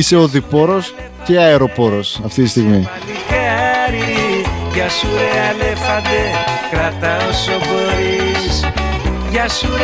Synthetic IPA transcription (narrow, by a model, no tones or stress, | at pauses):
ise̞oðipo̞ɾo̞s | ce̞ɐeɾo̞po̞ɾo̞sɐft̪it̪ist̪iɣmitiçeɾiʝɐsuɾeɐlefɐnd̪ekɾɐt̪ɐosobo̞ɾiss | ʝɐsuɾ